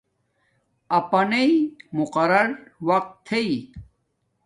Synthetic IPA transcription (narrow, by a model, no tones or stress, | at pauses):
ɐpɐneimʊqɐɾɐɾwɐq̚t̪ʰːei